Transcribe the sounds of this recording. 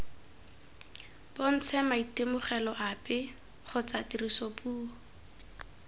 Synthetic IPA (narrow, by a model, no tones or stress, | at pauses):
bon̩t͡sʰɛmaitemʊχɛlɔʔapɪ | χʊt͡satirisopuːɔ